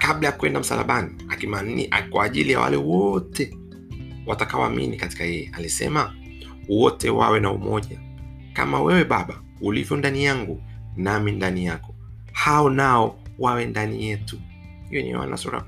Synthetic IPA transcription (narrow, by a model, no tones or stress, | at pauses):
kaɓlajakuɛndam̩sa̰la̰ɓaniakimanʔakwaʄilija̰wa̰lɛwɔtɛ | watakawa̰amḭnikati̥kajɛjɛalisɛ̰ma | wɔtɛwa̰wɛnaṵmɔʄa | ka̰mawɛwɛɓaɓa | ulivjɔndanijaŋɡunamindanijakɔ̥ | haɔnaɔwawɛndanijɛtu | hijɔnḭwa̰na̰suɾa̰